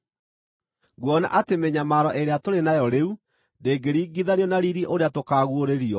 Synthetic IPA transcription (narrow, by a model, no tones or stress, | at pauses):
ɡwɔna̰ʔatemeɲamaɾɔʔeɾeatoɾenajɔɾeu | ndeːɡeɾiːɡiðaniɔnaɾiɾiʔoɾeatokaːɣwoɾeɾiɔ